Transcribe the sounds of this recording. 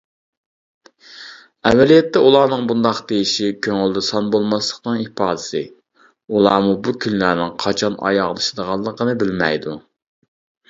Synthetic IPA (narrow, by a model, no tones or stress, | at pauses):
ɛvːɛlijɛt̪ʰːɛulˠɑːnɨŋbund̪ɑqd̪ejiʃikʲʰøŋɪld̪ɛsɑnbolˠmɑslˠəqnɨŋipɑːd̪ɪsɨ | ulˠɑːmubukʲʰynlæɾnɪŋqʰɑt͡ʃʰɑnɑ̰jɑʁlˠɨʃɪd̪əʁɑlˠːəqənɨbɪlmɛjd̪u